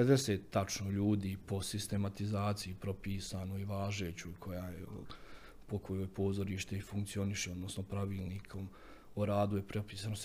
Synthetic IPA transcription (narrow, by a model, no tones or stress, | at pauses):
ped̪eseːt̪ːat͡ʃnoʎuːd̪iːpo̞sist̪e̞mat̪izaːt̪sijipɾo̞piːsaːnoiʋaːʒeːt͡ɕuikʰo̞jaːjḛ | pokojo̞jpo̞ːzo̞ɾiːʃt̪e̞ifuŋkt̪sio̞niʃeo̞d̪no̞sno̞pɾaʋiːlˠniːkʰo̞m | oɾaːd̪ujepɾepiːsaːnos